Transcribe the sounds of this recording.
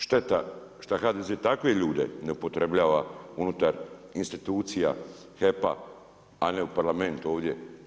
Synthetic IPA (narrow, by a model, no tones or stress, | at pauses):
ʃt̪et̪a | ʃt̪axaːd̪ezeːt̪akejeʎuːd̪e̞̰ne̞upo̞t̪ɾe̞bʎaːʋaunut̪aɾinst̪it̪uːt̪sija̰ | xe̞pa̰ | ane̞upaɾlame̞nt̪uo̞ːʋd̪je̞